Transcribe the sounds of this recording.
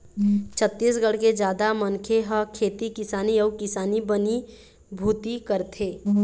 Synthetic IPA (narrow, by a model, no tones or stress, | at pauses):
t͡ʃʰət̪ːis̬ɡəɽ̤ked͡ʒaːd̪amənkʰeɦəkʰeːt̪ikɪsaːniəʊkɪsaːnibəni | bʱuːt̪ikəɾt̪ʰeː